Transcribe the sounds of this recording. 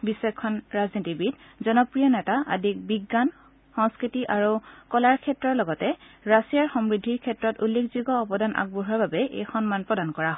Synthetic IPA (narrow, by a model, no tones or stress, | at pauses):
bisekʰːɔnɹaznitibitzɔnɔpɹijɔnɛtaʔa̰dʱik̚biɡːan | xɔŋskɹitiʔaɹukɔlaɹkʰɛtɹɔɹlɔɡɔtɛɹasijaɹxɔmɹidʱːiɹkʰɛtɹɔtulːekziɡɔːbɔdanʔa̰k̚buɦɔɹbabɛʔḛjxɔnmanpɹɔdankɔɹaɦɔ